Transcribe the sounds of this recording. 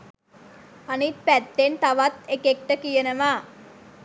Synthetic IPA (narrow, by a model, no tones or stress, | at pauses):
anit̪̚pæt̪ːent̪aʋat̪ekek̚ʈəkijənəʋaː